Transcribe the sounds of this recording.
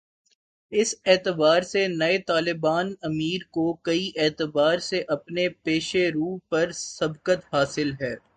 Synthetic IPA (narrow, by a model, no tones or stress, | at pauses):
ɪsɛːt̪ɪbaːɾsenɐet̪aːlɪbaːnɐmiːɾkokɐiʔɛːt̪ɪbaːɾseʔɐpnepeːʃeɾuːpɐɾsɐbkət̪ɦaːsɪlɦɛː